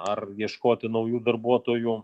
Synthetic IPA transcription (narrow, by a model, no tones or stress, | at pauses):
ɐrjiɛʃkoːt̪ʲɪnɐʊjuːd̪ɐrbuɔt̪oːju